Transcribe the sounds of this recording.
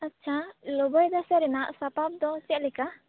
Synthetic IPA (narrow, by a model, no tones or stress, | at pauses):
ətːt͡ʃʰalɔbɔjd̪asɛɾɛnaʔsapap̚d̪ɔt͡ʃɛt̪̚lɛka